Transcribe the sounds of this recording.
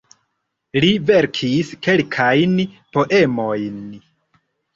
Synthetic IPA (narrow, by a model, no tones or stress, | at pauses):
live̞ɾkʰiske̞lkʰajn | po̞ʔe̞mo̞jn